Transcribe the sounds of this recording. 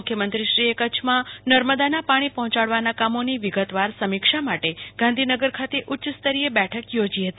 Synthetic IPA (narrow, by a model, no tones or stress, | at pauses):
kʰjəmənt̪ɾiʃɾiekət͡ʃʰmãnəɾməd̪anapaɽ̃ipəɦɔ̃t͡ʃaɽʋanakamoniʋiɡət̪ʋaɾsəmikʃamaʈeɡ̥ʱãnd̪ʱinəɡəɾkʰat̪eʔʊtːʃəst̪əɾijebɛʈʰəkjod͡ʒiɦət̪i